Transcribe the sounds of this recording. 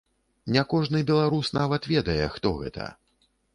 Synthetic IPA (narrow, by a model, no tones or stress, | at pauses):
nʲɛkɔʐnɨbʲɛlˠaɾusnavɐt̪vʲɛd̪ɐjɛxt̪ɔɣɛ̰t̪ʰɐ̰